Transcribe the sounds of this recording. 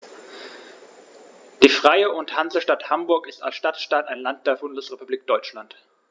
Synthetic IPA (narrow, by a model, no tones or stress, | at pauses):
d̥iːfʁ̥aɪəʊnthanzləʃtathambʊɐkɪstalsʃtatʃtaːtaɪnlant̚d̥eːɐbʊndəsʁepubliːk̚d̥ɔʏt͡ʃlant